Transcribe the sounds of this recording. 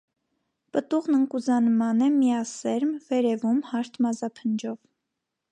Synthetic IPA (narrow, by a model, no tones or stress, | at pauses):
pət̪uʁnəŋkuzɑnmɑnɛmijɑsɛɾmvɛɾɛvumhɑɾt̪ʰmɑzɑpʰənd͡ʒɔv